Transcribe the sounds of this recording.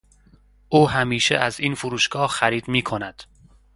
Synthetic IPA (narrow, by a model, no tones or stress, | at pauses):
ʔuːhæmiːʃḛʔæziːnfuɾuːʃɡ̥ɒːhxæɾiːd̪miːkʰo̞næd̪̥